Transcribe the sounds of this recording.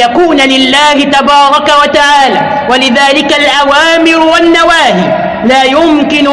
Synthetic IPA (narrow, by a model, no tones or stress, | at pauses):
akuːnalɪlːaːhɪt̪abɑːɾˤɑkawat̪aʕaːlaː | walɪðaːlɪkalʔawaːmɪɾʊwanːawaːhiː | laːjʊmkɪnʊ